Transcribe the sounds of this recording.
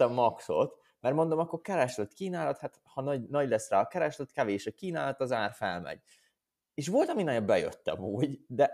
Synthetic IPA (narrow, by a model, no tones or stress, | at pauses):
ɛmːɒkso̞t̪ | mɛrmo̞nd̪o̞mɒkːo̞rkɛɾɛʃløt̪kiːnaːlɒt̪hat̪hɒnɒɟnɒɟlɛsːraːɒkɛɾɛʃløt̪kɛveːʃøkiːnaːlɒt̪ɒzaːrfɛ̰lmɛ̰ɟ | eːʃʋo̞lt̪ɒminɒjobɛjø̰t̪ːɛ̰muːɟd̪ɛ